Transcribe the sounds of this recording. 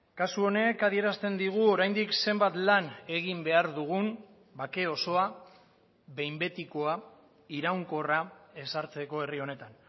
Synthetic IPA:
kasuo̞ne̞kaðie̞ɾast̪e̞nd̪iɣ̞uo̞ɾajnd̪ikse̞mbat̪lane̞ɣimbe̞aɾðuɣ̞un | bake̞o̞so̞a | βe̞jmbe̞t̪iko̞a | iɾawŋko̞rae̞saɾt͡se̞ko̞e̞rio̞ne̞t̪an

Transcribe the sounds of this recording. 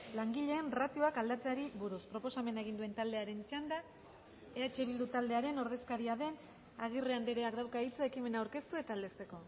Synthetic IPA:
laŋɡiʎe̞ːnrat̪ioakald̪at͡seaɾiβuɾuspɾo̞po̞same̞naeɣ̞ind̪ue̞nt̪ald̪e̞aɾe̞nt͡ʃand̪a | e̞at͡ʃe̞βild̪ut̪ald̪e̞aɾe̞no̞ɾð̞e̞skaɾiaðe̞n | aɣ̞ireand̪eɾeakd̪awkait͡soekime̞nawɾke̞st̪ue̞t̪aːld̪e̞st̪e̞ko̞

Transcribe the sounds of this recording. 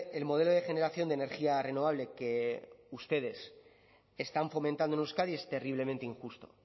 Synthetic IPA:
e̞lmo̞ð̞elo̞ðe̞xe̞ne̞ɾaθjo̞nd̪ene̞ɾxiare̞no̞β̞aβle̞ke̞ust̪e̞ð̞e̞s | est̪aɱfo̞mẽnt̪and̪onuskaðie̞st̪e̞riβ̞le̞mẽnt̪eiŋxust̪o̞̰

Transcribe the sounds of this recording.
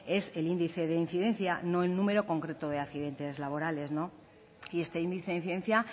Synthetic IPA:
e̞se̞lind̪iθe̞ðe̞in̟θiðe̞nθjano̞elnũme̞ɾo̞ko̞ŋkɾe̞t̪oð̞eakθiðe̞nt̪e̞zlaβo̞ɾale̞zno̞ | ie̞st̪e̞ind̪iθeðinθiðe̞nθja

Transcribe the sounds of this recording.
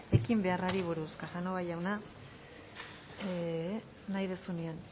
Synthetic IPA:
e̞kimbe̞araɾiβ̞uɾuskasanoβajawna | najðe̞sunian

